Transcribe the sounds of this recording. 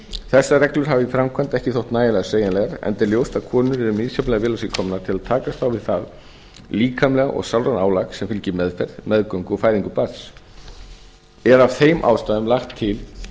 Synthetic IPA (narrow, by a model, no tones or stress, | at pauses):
θɛsːarɛklʏɾ̥ɦavifɾamkʰant̪ɛhcɪθowht̪naːjalɛɣaseːjanlɛɣaɾɛ̰nt̪ɛɾljowst̪aðkʰɔːnʏɾɛɾʏmniːðsɔpmlɛɣavɪːlasɪkʰɔmnat̪ʰɪlaðt̪ʰaːkast̪θawvɪðθað | liːkʰamlɛɣaʔɔ̰ɣsawlɾanaːwlaksɛmfɪlcɪmɛðfɛɾðmɛðkœŋkɔfaːjðiŋkʏpaɾs | ɛɾavθejmʔa̰ːwst̪aːðʏmlaxt̪ʰːɪl